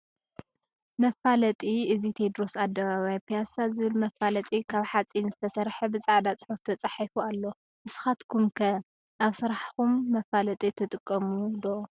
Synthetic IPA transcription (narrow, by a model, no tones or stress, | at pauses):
mɐfalɐt̪ʼiɨzit̪ʰed̪ɾo̞sad̪ːɐβaβajapʰijasazɨβɨlmɐfalɐt̪ʼikʰaβħat͡sʼinzɨt̪ʰɐsɐɾħɐbɨt͡sʼaʕd̪at͡sʼɨħuft̪ʰɐt͡sʼɐħifualːo̞ | ʔɨsɨ̥xat̪kʰumkʰɐ | ʔaβsɨɾaħxumːɐfalɐt̪ʼit̪ʰɨt̪ʼɨkʼːɐmud̪o